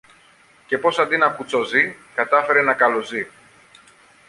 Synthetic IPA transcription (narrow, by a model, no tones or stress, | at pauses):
ce̞po̞sɐnd̪inɐkut͡sozikɐt̪ɐfe̞ɾe̞nɐkɐlo̞zi